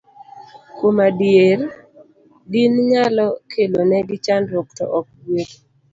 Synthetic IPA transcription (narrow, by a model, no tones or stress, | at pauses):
komadjer | ɡinɲalɔkʰelonɛɡɪt͡ʃandɾɔk̚tɔ̰ʔɔk̚ɡwet